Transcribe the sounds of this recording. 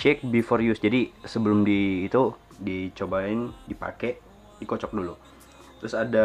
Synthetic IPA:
t͡ʃɛk̚bifɔrjusd͡ʒadisəbəlʊmdiːt̪u | dit͡ʃobaɪndipa̰kɛʔ | dikɔt͡ʃɔk̚dulu | t̪ɾʊsada

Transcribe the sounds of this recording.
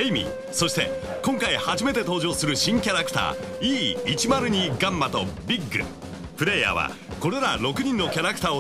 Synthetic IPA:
eimʲḭ | so̞ɕi̥t̪e̞̰ | kõ̞ŋkaihaʑime̞t̪e̞t̪o̞ːʑo̞ːsɨɾɯ̟ɕĩŋkʲaɾakɯ̟̥t̪a̰ː | iːt͡ɕimaɾɯ̟ɲ̟iɡãmːat̪o̞bʲiɡːɯ̰ | pɯ̟ɾe̞ja̰ːβa̰ | ko̞ɾe̞ɾaɾo̞kɯ̟ɲ̟ĩnːo̞kʲaɾakɯ̟t̪aːo

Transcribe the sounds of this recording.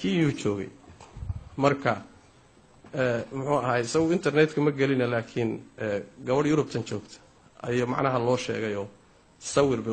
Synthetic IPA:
kʰiːjuːt͡ʃɔːɣɛ̰j | mɐrkʰɐ | ɛmʊħuːɐɦjɪsɐɣʊɪnt̪ʰɐrnɛt̪kʰɐmɐɡɐlɪnɐlaːkʰɪnɛːɡɐβɐɽjʊɾʊb̚t̪ʰɐnt͡ʃɔːɡt̪ʰɐ̥ | ɐjɔmɑ̰ʕnɐɦɐlɔːʃɛ̰ːɣɛjɔː | sɐwɪrbɛ

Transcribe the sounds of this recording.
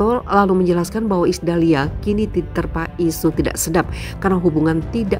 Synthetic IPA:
ɔlaluməɲd͡ʒəlaskanbaɦwaisdaliakinit̪it̪ərpaʔisut̪ida̰ʔsədap̚ | karnaɦubuŋant̪ida

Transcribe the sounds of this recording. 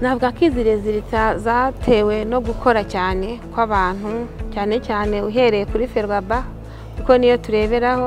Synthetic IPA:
navuɡakiːziɾeziɾitazatʰe̞we̞no̞ɡukʰo̞ɾacaːne̞kwaβaːn̥hucaːne̞caːne̞uɦe̞ɾe̞jekuɾife̞ɾwaba | kuko̞nijo̞tuɾe̞ːβe̞ɾaho̞

